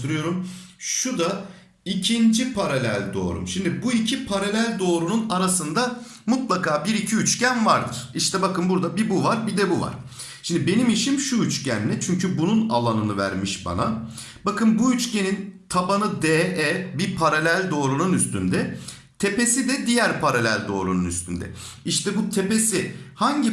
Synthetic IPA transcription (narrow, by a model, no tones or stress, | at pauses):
uɾɯjo̞ɾumʃud̪a | icʰind͡ʒipʰaɾalʲælʲd̪o̞̰ːɾṵmʃimd̪ibuicʰipʰaɾalʲælʲd̪o̞ːɾununaɾasɯnd̪a | mut̪lˠakaːbiɾicʰiyt͡ʃcænvaɾd̪ɯɾ̥iʃt̪ʰɛbakɯnbuɾd̪abibuvaɾbid̪ɛbuva̰ɾ̥ | ʃimd̪ibe̞nimiʃimʃuyt͡ʃcænlːʲɛt͡ʃʰyɲcʰybununa̰lˠanɯnɯvæ̰ɾmiʃba̰na | bakɯnbuyt͡ʃce̞nint̪ʰabanɯd̪ɛːʔɛbipʰaɾalʲælʲd̪o̞ːɾununyst̪ʰynd̪ɛ | t̪ʰe̞pe̞sid̪ɛd̪ijæɾpʰaɾalʲælʲd̪o̞ːɾununy̰st̪ʰy̰nd̪ɛ̰ | iʃt̪ʰɛbut̪ʰe̞pe̞sihaɲɟi